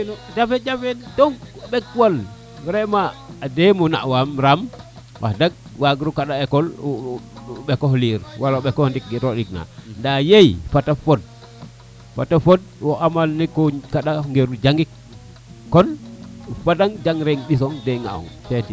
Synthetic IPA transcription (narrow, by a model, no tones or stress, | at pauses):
nod͡ʒafed͡ʒafedɔŋɓɛkːwal | ɾɛmaːdemuna̰ʔwamɾam | wʔa̰hdaɡ̚waɡiɾukaɗaekɔl | ɓekɔhliːɾwalauɓekɔhndik̚ɡiɾoɗikna̰ndajejfatafɔd̚ | fa̰tafod̚wɔʔamalnikɔkaɗaŋɡeɾud͡ʒaŋɡik̚ː | ɔnufadaŋd͡ʒaŋɾeŋɓis̬ɔŋdeŋa̰ɔ̰ŋfeti